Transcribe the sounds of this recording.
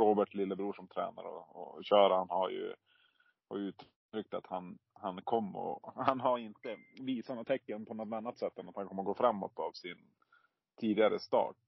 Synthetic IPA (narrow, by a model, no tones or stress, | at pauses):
oːbəʈlɪlːəbɾuːʂɔmt̪ʰɾɛ̰ːna̰ɾɔ̰ːɕœːɾahanhaɾjɵ̰ | ha̰ɾjʉ̟ːt̪ʰ | ɾʏk̚t̪at̪hanhankʰɔmːɔ̰hanɦaɾɪnt̪əviːsanɔt̪ʰɛkːənpʰɔnɔt̪anːat̪sɛt̪ːɛnːat̪hankʰɔmːəɾɡoːfɾamːɔ̰t̪avsɪn | t̪ʰiːd̪ɪɡaɾəst̪ɑ̰ːʈ̚